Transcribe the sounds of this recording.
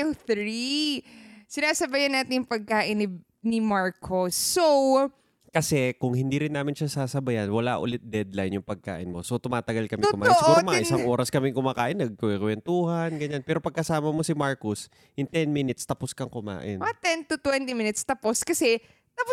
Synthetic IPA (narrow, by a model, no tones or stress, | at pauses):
ŋθɾi | sɪnaːsɐbajɐnːaːt̪ɪnjʊŋpɐɡ̚kaːʔɪnɪ | nɪmaɹkʰosːow | kɐsɛkʊŋhɪnd̪iɾɪnːaːmɪnʃasaːsɐbɐjɐnwɐla̰ʔʊ̰lɪt̪̚d̪ɛd̪lajnjʊŋpɐɡ̚ka̰ːʔɪnmo̞sot̪ʊmaːt̪ɐɡalkɐmɪt̪ʊkʊmaːt̪osʔuːɾmɐŋɐʔɪsaŋʔoːɾɐskɐmɪŋkʊmaːkaːʔɪnːɐɡ̚kɐɪkwɛnt̪uːhɐnɡɐɲanpɛːɾopɐɡ̚kɐsaːmɐmo̞sɪmaɹkʊs | jʊŋt̪ɛnminɪt̪st̪ɐposkɐŋkʊma̰ːʔɪnɐt̪ɛnt̪ʊt̪wɛnt̪ɪmɪnɪt̪st̪ɐposkɐsɛ | t̪ɐp